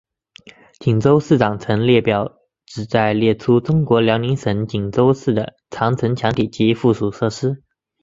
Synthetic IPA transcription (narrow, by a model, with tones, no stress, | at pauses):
t͡ɕi˨˩ŋt͡so˥ʊsɹ̩˥˩ʈ͡ʂɑ˨˩ŋt͡sʰɤ˧˥ŋljɛ˥˩pjɑ˨˩˦ʊ | ʈ͡ʂɻ̩˨˩t͡sa˥˧ɪljɛ˥˩ʈ͡ʂʰu˥ʈ͡ʂʊ˥ŋkwɔ˧˥ljɑ˧˥ʊni˧˥nʂə˧˥nt͡ɕi˨˩ŋt͡so˥ʊsɹ̩˥˩d̪ə˩ | t͡sʰɑ˧˥ŋt͡sʰə˧˥nt͡ɕʰjɑ˧˥ŋt̪ʰi˨˩t͡ɕi˧˥fu˥˩ʂu˨˩ʂɤ˥˩ʂɻ̩˥